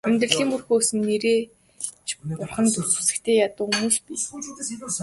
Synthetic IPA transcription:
æmʲt̪rə̆ɮiːŋurxoːsɘ̆nːeɾeː | t͡ɕʰpʊrχə̆nt̪urt͡su̥sɘ̆kt̪ʰeːjat̪ʊ̆ːumuːspiː

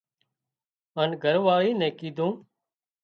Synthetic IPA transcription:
ənɡʱəɾʋaːɭiːnɛ̃ːkiːd̪ʱũː

